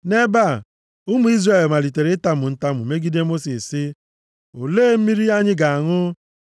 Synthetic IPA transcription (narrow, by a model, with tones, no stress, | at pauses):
ne˦ba˦˨ | ʊ˦mu˨˦i˦zre˦˨e˨lma˨li˨te˨ɾɪ˦ta˦mʊ˨n̩˦ta˦mʊ˨me˦ɡi˦de˦mo˦si˨ssɪ˦ | o˨leː˦˨m̩˦mi˦ɾi˦a˦ɲɪ˦ɡa˨a˨ŋʊ˦